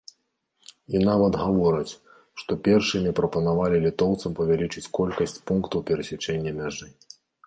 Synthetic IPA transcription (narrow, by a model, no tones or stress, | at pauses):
inavɐd̪ɣavɔɾɐt͡sʲ | ʂt̪ɔpʲɛrʂɨmʲipɾɐpɐnavalʲilʲit̪ɔwt̪sɐmpɐvʲalʲit͡ʂɨt͡sʲkɔlʲkɐsʲt͡sʲpunkt̪ɐwpʲɛɾɐsʲat͡ʂɛnʲːɐmʲaʐɨ